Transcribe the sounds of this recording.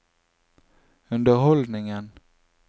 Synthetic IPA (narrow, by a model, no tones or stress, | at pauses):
ɵnd̪əɾɦɔld̪nɪŋən